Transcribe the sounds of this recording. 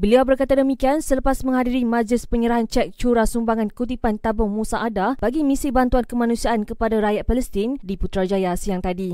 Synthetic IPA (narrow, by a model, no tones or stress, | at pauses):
bəliawbərkat̪adəmikiansələpasmə̃ŋɦadiɾimãd͡ʒlɪspəɲəɾaɦant͡ʃɛk̚t͡ʃuɾasumbaŋãnkut̪ipant̪abʊŋmusaʔːdab̥aɡimĩsibant̪uankəmanũsiaʔankəpadaɾajat̪̚paləst̪ɪndiput̪ɾad͡ʒajasiaŋt̪adi